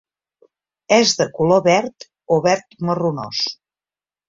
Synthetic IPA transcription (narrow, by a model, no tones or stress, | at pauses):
ɛzðəkuloβɛɾt̪ | oβɛɾt̪məruno̰s